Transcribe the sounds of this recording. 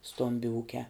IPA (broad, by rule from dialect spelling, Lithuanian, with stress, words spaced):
ˈstoːmʲbʲɪ ˈuːkʲæː